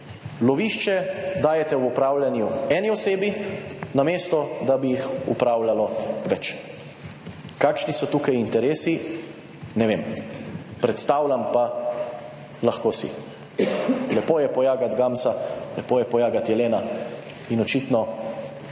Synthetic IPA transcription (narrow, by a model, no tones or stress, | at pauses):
lɔʋiːʃt͡ʃɛd̪aːjɛt̪ɛwupɾaːwlʲanjuɛːniɔseːbinameːst̪ɔd̪abijixṵpɾaːwlalɔʋɛt͡ʃ | kakʃnisɔt̪uːkajint̪ɛɾeːsi | nɛʋem | pɾɛt̪st̪aːwlʲampa | laxkoːsḭ | lɛpoːjɛpɔjaːɡat̪ɡamsalɛpoːjɛpɔjaːɡat̪jɛleːna | inɔt͡ʃit̪nɔ